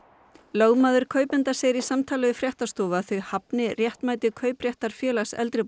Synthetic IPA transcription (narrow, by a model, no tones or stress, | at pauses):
loːwmaːðʏɾ̥kʰœːɥpɛnt̪aseːjɾɪsamt̪ʰaːlaðʏfɾjɛht̪ast̪ɔːvaθʏhapnɪrjɛht̪maːjt̪ʏkʰœːɥprjɛht̪aɾ̥fjɛːlasɛ̰lt̪ɾɪ